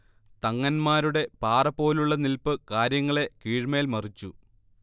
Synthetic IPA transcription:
t̪ɐŋːɐnmaːɾuɽe̞paːrɐpːo̞ːluɭːɐnilpɨkaːɾjɐŋːɐɭe̞kiːɻmeːlmɐrit͡ɕːu

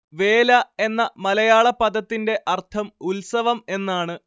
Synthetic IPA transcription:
ʋe̞ːlɐe̞nːɐmɐlɐjaːɭɐpːɐd̪ɐt̪ːinde̞ʔɐrt̪ʰɐmulsɐʋɐme̞nːaːɳɨ

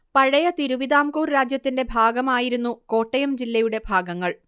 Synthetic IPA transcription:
pɐɻɐjɐt̪iɾuʋid̪aːmkuːrɾaːd͡ʑjɐt̪ːinde̞bʱaːɡɐmaːjiɾunːuko̞ːʈːɐjɐmd͡ʑilːɐjuɽe̞bʱaːɡɐŋːɐɭ

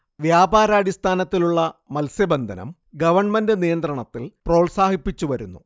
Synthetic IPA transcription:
ʋjaːbaːɾaːɽist̪ʰaːnɐt̪ːiluɭːɐmɐlsjɐbend̪ʱɐnɐ̰m | ɡɐʋɐrɳmendɨnijɐnd̪rɐɳɐt̪ːilpro̞ːɭsaːhipːit͡ɕːuʋɐɾunːu

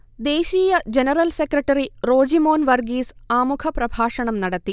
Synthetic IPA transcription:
d̪e̞ːɕiːjɐd͡ʑenɐɾɐlsekrɐʈːɐɾiro̞ːd͡ʑimo̞ːnʋɐrɡiːsaːmukʰɐprɐbʱaːʂɐɳɐmnɐɽɐt̪ːi

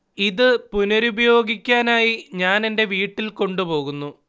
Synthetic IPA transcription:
iðɨpunɐɾubɐjo̞ːɡikʲːaːnaːjiɲaːne̞nde̞ʋiːʈːilko̞ɳɖupo̞ːɣunːu

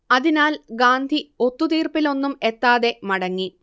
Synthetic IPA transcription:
ɐðinaːlɡaːnd̪ʱio̞t̪ːut̪iːrpilo̞nːumet̪ːaːðe̞mɐɽɐŋːi

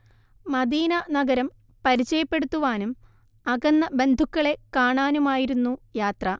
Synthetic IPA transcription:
mɐd̪iːnɐnɐɡɐɾɐm | pɐɾit͡ɕːɐjɐpːe̞ɽut̪ːuʋaːnum | ɐɣɐnːɐbe̞nd̪ʱukːɐɭe̞kaːɳaːnumaːjiɾunːujaːt̪rɐ

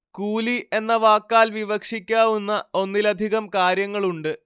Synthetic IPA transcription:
kuːliʔe̞nːɐʋaːkːaːlʋiʋɐkʂikʲːaːʋunːɐo̞nːilɐd̪ʱiɣɐmkaːɾjɐŋːɐɭuɳɖɨ

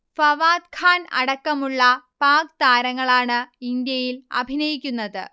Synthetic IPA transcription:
fɐʋaːd̪kʰaːnɐ̰ɽɐkːɐmuɭːɐpaːkt̪aːɾɐŋːɐɭaːɳɨind̪jɐjilɐ̰bʱinɐjikʲːunːɐðɨ̰

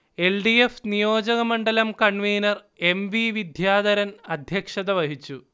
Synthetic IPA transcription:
e̞lɖiefnijo̞ːd͡ʑɐɣɐmɐɳɖɐlɐmkɐɳʋiːnɐr | e̞mʋiʋid̪ʱjaːd̪ɐɾɐnɐd̪ʱjɐkʂɐðɐʋɐɦit͡ɕːu

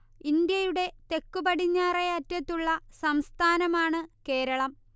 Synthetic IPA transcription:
ind̪jɐjuɽe̞t̪e̞kːubɐɽiɲːaːreɐtːɐt̪ːuɭːɐsɐmst̪ʰaːnɐmaːɳɨke̞ːɾɐɭɐm

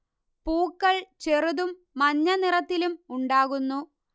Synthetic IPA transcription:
puːkːɐɭt͡ɕeruðumːɐɲːɐnirɐt̪ːilumuɳɖaːɣunːu

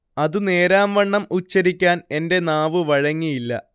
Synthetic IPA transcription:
ɐðɨne̞ːɾaːmʋɐɳːɐmut͡ɕːɐɾikʲːaːne̞nde̞naːʋɨʋɐɻɐŋːijilːɐ̰

